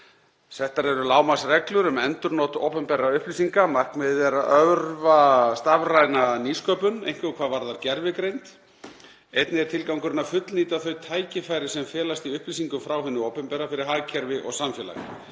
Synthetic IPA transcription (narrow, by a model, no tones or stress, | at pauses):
θɛht̪aɾɛɾʏlaːwmasrɛklʏɾʏmɛnt̪ʏɾnowt̪o̰wpɛmpɛɾaʏhplisiŋkamarknmɪðɛɾaʔœvɾvast̪avrajnaniskœːpʏnḛjŋ̥kvɪɣkʰvaːðvaɾðaɾcɛɾvɪkɾejnt̪ | ejt̪nɪɛɾt̪ʰɪlkawŋkʏɾɪnafʏt̪lniːt̪aθœɥt̪ʰaːjcɪfajɾɪsɛmfɛːlast̪iʏhplisiŋkʏmfɾawɦɪnːʏowpɛmpɛːɾafɪɾɪɾ̥ɦaɣcʰɛɾvɪʔɔ̰ɣsamfjɛːla̰ɣ̰